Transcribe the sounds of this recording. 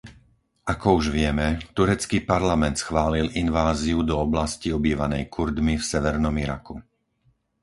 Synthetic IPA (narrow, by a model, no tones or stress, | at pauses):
ʔakɔuʒʋɪɛmɛt̪uɾɛt͡skiːpaɾlamɛnt̪sxʋaːlilinʋaːziud̪ɔɔblasciɔbiːʋanɛjkʰuɾd̪mifsɛʋɛɾnɔmiɾa̰ku